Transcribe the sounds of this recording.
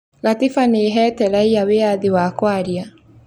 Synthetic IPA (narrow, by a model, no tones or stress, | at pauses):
ɣatifaneɦɛtɛɾaiaweaðiwakwaɾja